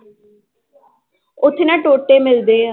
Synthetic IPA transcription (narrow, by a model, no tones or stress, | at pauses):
ʊt̪ʰːnãːʈoːʈːeːmɪld̪eːaː